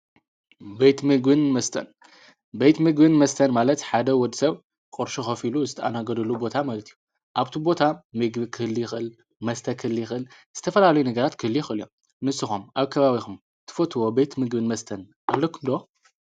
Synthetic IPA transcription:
bejt̪mɨɡbɨnmɐst̪ʰɐ̰n | bejt̪mɨɡbɨnmɐst̪ʰɐnmalɐt̪ħad̪ɐwɔd̪isɐβ | kʼɨɾʃuxɐfiluzɨt̪ʰɐʔanaɡɐd̪ɨlubo̞t̪ʰamalɐt̪ʰiju | ʔaβt̪ʰibo̞t̪ʰamɨɡbɨkʰɨhɨlːjɪxʔɨl | mɐst̪ʰɐkʰɨhlːjɪxʔɨl | z̥ɨ̥t̪ʰɐfɐlalɐjunɐɡɐɾat̪kʰɨhɨlːijɪxʔɨljom | nɨsːɨxumʔaβkʰɐβaβixum | t̪ʰɨ̥fot̪ʰwo̞bejt̪mɨɡbɨnmɐst̪ʰɐn | ʔalːokʰumd̪o

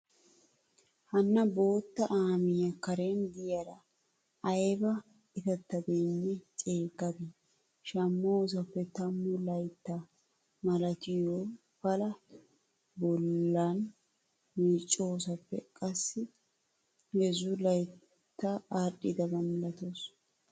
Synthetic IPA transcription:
hɐnːɐbo̞ːt̪ːɐʔaːmɪjɐkɐɾeːnd̪ɪjɐd̪ɐ | ɐjbɐ | ɪt̪ɐt̪ːɐbenːɛt͡ʃʼeːɡɐɡe | ʃɐmːoːs̬ɐpːɛt̪ɐmːʊlɐjt̪ːɐ | mɐlɐt̪ɪjoː | fɐlɐ | bɔlːɐn | miːt͡ʃʼːoːsɐpːɛ̰kʼɐsːɪ | ɡɛzʊlɐj | t̪ːɐaɾɗɪd̪ɐbɐmɐlɐt̪os

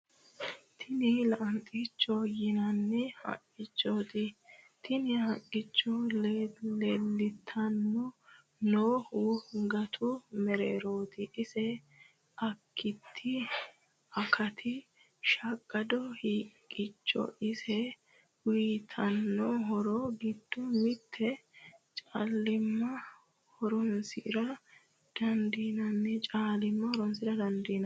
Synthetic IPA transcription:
t̪ʰɪnɪlɐʔɐnt̪ʼit͡ʃːɔjɪnɐnːɛhɐ̰kʼːɪt͡ʃːoːt̪ɪ | t̪ʰɪnɪhɐkʼːɪt͡ʃːɔlleːlːɪt̪ʰːɐnːɔ | noːhʊɡɐt̪ʰʊmɛɾeːɾoːt̪ɪʔɪsɛ | ʔɐkʰːɪt̪ʰːɪ | ɐkʰɐt̪ʰɪ | ʃɐkʼːɐd̪ɔhiːkʼːɪt͡ʃːɔ̰ʔɪsɛ | wiːt̪ʰɐnːɔɦɔɾɔɡɪd̪ːʊmɪt̪ʰːɛt͡ʃʼalːɪmːɐ | hɔɾɔnsɪɾɐ | d̪̥ɐnd̪iːnɐnːɛt͡ʃʼaːlɪmːɐhɔɾɔnsɪɾɐd̪ɐnd̪iːnɐ

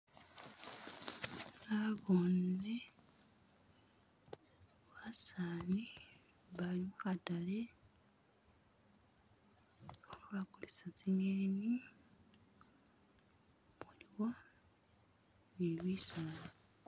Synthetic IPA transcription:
naβone | wasani | βalimukatale | βakulisat͡siŋeni | muliwa | niβisana

